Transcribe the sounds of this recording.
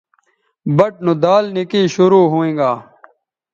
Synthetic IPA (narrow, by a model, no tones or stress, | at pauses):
bəʈ̚nũd̪aːlnɪkiːʃʊɾuːɦoːẽːɡaː